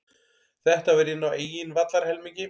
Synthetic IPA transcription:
θɛht̪avɛɾɪnːaweːjɪnvat̪laɾ̥hɛlmiɲcɪ

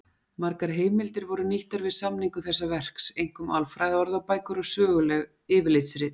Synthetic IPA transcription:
maɾkaɾ̥ɦeːjmɪlt̪ɪɾvɔɾʏniht̪aɾvɪðsamniŋkʏθɛsːavɛr̥ksejŋkʏmalfɾajðɔɾðapaːjkʏɾɔɣsœːɣʏlɛɣ | ɪːvɪlejt̪sɾɪːt̪

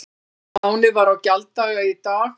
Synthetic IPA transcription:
maːwnɪvaɾawcalt̪t̪aɣait̪aːx

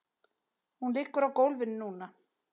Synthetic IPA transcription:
hunliːkʏɾawkowlvɪnːuːna

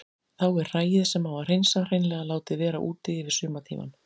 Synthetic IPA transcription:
θawɛɾr̥aːjɪðsɛmawvar̥ejnsar̥ejnlɛːɣalaːwt̪ɪvɛːɾa̰ʔuːt̪ɪɪvɪɾ̥sʏːmat̪ʰḭːma̰n

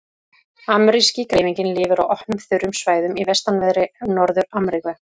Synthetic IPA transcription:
amɾiscikɾejviɲcɪnlɪːvʏɾawɔhnʏmθʏɾːʏmsvaːjðʏmivɛst̪anvɛðɾɪnɔɾðʏɾamɾikvɛ

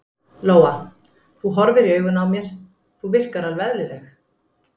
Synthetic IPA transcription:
loːwa | θuɦɔɾvɪɾiœːɥɣʏnawmjɛɾ̥ | θuvɪr̥kaɾalvɛðlɪlɛx

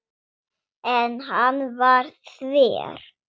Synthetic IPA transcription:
ɛnɦanːvaɾθvɛ̰ːɾ̥

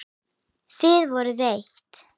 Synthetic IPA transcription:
θɪðvɔɾʏðejçt̪

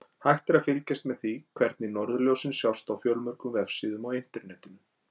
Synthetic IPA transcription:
hajxt̪ɛɾafɪlcɛst̪mɛðθikʰvɛɾt̪nɪnɔɾðʏljowsɪnsjawst̪awfjœlmœɾ̥kʏmvɛfsiðʏmɔwɪn̥t̪ɛɾnɛːt̪ɪm

